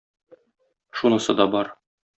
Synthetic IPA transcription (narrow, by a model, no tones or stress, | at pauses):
ʃunɤ̆sɤd̪ɒbɒɾ